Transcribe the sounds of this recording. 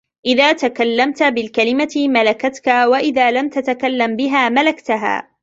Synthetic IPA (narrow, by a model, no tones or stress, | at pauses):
ʔɪðaːt̪akalːamt̪abɪlkalɪmaɪmalakat̪kawaʔɪðaːlamt̪at̪akalːambɪɦaːmalakt̪aɦa̰ː